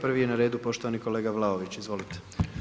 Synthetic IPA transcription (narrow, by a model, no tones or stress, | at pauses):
pr̩ʋijenaɾe̞ːd̪upo̞ʃt̪oʋaniko̞le̞ːɡaʋlˠaoʋit͡ɕizʋo̞lit̪e̥